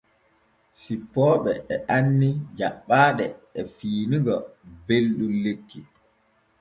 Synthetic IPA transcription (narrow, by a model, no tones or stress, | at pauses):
sipːɔːɓɛɛʔanːid͡ʒaɓːaːɗɛɛfiːniɡɔbelɗunlekːi